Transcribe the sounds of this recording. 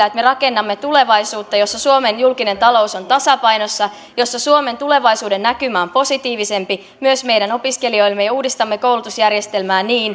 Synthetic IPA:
æːet̪me̞rɑke̞nːɑmːet̪ule̞ʋɑjsuːt̪ːɑjo̞sːɑsuome̞njulkine̞nt̪ɑlo̞uso̞nt̪ɑsɑpɑjnosːɑ | jo̞sːɑsuome̞nt̪ule̞ʋɑjsuːde̞nːækymæːompo̞sit̪iːʋise̞mpi | myøsme̞jdæno̞piske̞lio̞jlmːejɑuːdist̪ɑmːeko̞wlut̪usjærje̞st̪e̞lmæːniːn

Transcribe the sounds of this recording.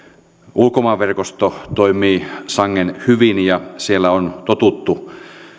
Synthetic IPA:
ʔulkomɑːʋerkost̪ot̪oimiːsɑŋːenhyʋinjɑsielːæont̪ot̪ut̪ːu

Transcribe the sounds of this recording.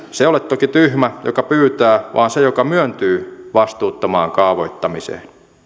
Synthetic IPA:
seolet̪t̪ːokit̪yhmæjo̰kɑpyːt̪æːʋʔɑ̰ːnsejokɑmyønt̪yːʋɑst̪uːt̪ːɑmɑːŋkɑːʋoit̪ːɑmisḛːn

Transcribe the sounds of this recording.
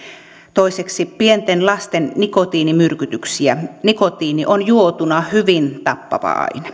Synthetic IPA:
t̪oiseksipient̪enlɑst̪ennikot̪iːnimyrkyt̪yksiænikot̪iːniʔonjuot̪unɑhyʋint̪ɑpːɑ̰ʋɑ̰ɑ̰in

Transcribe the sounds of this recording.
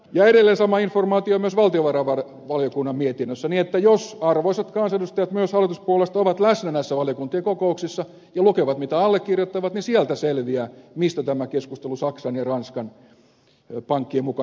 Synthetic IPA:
jɑeɾelːeːnsɑmɑinformɑːt̪iomyøsʋɑlt̪ioʋɑrɑʋɑ | ʋɑljokunːɑmmiet̪inːøsːæniet̪ːæjosɑrʋoiset̪kɑnsedust̪ɑjɑt̪myøshɑlːˑit̪uspuolest̪oʋɑt̪læsnænæsːæʋɑljokunt̪ˑieŋkokouksisːɑ | jɑlukeʋɑt̪mit̪æɑlːekːirjot̪ːɑʋɑt̪nisiælt̪æselʋiæːmist̪æt̪æmækeskust̪elusɑksɑnjɑrɑnskɑn | pɑŋkːiemukɑ

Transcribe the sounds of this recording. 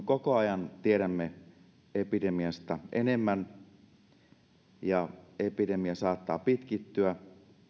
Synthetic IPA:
kokoɑjɑnt̪ieɾæmːe | epidemiɑst̪ɑʔenemːæn | jɑepidemiɑsɑːt̪ːɑːpit̪kit̪ːyæ

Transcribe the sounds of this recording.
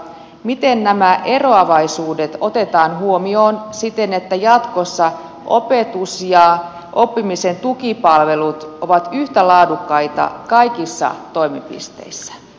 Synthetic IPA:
mit̪e̞nnæmæʔe̞ro̞ɑʋɑjsuːde̞t̪o̞t̪e̞t̪ɑːnɦuo̞mio̞ːnsit̪e̞ne̞t̪ːæjɑt̪ko̞sːɑ | ʔo̰pet̪usjɑ | ʔo̞pːimise̞nt̪ukipɑlʋe̞lut̪o̞ʋɑt̪yht̪ælɑːdukːɑjt̪ɑ̰kɑjkisːɑ̰t̪o̞imipḭst̪e̞̰isːæ̥

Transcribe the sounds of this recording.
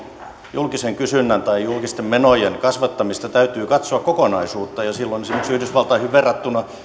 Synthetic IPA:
julkiseŋkysynːænt̪ɑijulkist̪emmenojenkɑsʋɑt̪ːɑmist̪ɑt̪æyt̪yːkɑt̪soɑkkokonɑisuːt̪ːɑjɑsilːonsimːoksyhdysʋɑlt̪ɑhiʋʋerːɑt̪ːunɑ

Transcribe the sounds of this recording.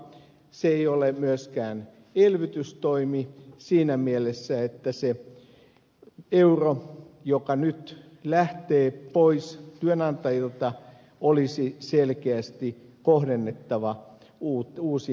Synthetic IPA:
seeiolemyøskæːn | elʋit̪yst̪oimisiːnæmielesːæet̪ːæse | eurojokɑnyt̪ | læht̪eːpoist̪yønɑnt̪ɑjilt̪ɑ | olisiselkeæst̪ikoɦdenːet̪ːɑʋɑ | uːuːsi

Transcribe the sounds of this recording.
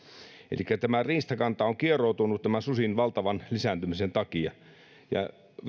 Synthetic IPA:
ḛlʔikːæt̪æmæriːst̪ɑkɑnt̪ɑoŋkierout̪unut̪t̪æmæsusinʋɑlt̪ɑʋɑnlisæˑnt̪ymisent̪ɑkiɑ | jɑ̰ | ʋ

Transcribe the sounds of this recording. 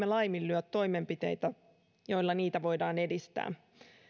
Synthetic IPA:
elɑjmilːyœt̪ːo̞jme̞mpit̪e̞̰jt̪æ | jo̞jlːɑniːt̪æʋo̞jdɑːne̞dist̪æ̰ː

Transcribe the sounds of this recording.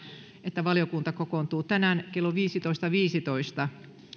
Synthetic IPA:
et̪ːæʋɑljokunt̪ɑkokont̪uːt̪ænæːnkelːoʋiːsit̪oist̪ɑʋiːsit̪oist̪ɑ

